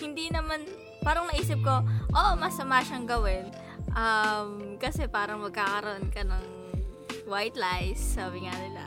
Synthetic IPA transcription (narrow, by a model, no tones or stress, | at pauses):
hɪnd̪inɐman | paːɾɐŋnɐʔiːsɪp̚ko̞ʔoʔmɐsɐmaːʃɐŋɡɐwɪn | ʔɐmkɐsɛpaːɾɐŋmɐɡ̚kakɐɾɐʔonkɐnɐŋ | wajt̪lajsːaːbɪŋanɪlɐ̰